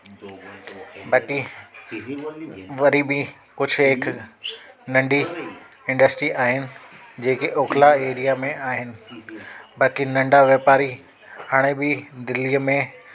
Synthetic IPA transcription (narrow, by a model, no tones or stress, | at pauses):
baːki | ʋɐɾibɪ | kʊd͡ʑʱʊɪkʰ | nɐ̃ɳɖi | ɪ̃ɳɖəsʈɾiʔaːɦɪnɪ̆d͡ʑeːkeʔoːkʰlaeːɾijamẽaːɦɪnɪ̆ | baːkinɐ̃ɳɖaʋjeːpaːɾi | haːɽ̃ebɪd̪ɪlijəmẽ